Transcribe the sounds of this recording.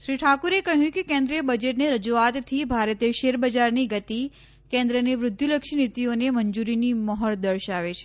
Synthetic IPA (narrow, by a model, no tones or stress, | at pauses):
ʃɾiʈʰakuɾekəɦjũkekẽnd̪ɾijəbəd͡ʒeʈneɾəd͡ʒuat̪tʰːibʱaɾət̪eʃeɾbəd͡ʒaɾniɡət̪i | kẽnd̪ɾəneʋɾʊd̪ʱjuləkʃinit̪ioneməɲd͡ʒuɾiniməɦəɭd̪əɾʃaʋet͡ʃʰe̥